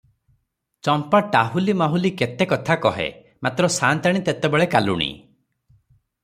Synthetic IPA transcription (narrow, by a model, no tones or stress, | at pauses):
t͡ʃɔmpaʈaɦulimaɦuliket̪ekɔt̪ʰakɔɦḛ | mat̪ɾɔsant̪aɽ̃it̪et̪ebeɭekalṵɽ̃ḭ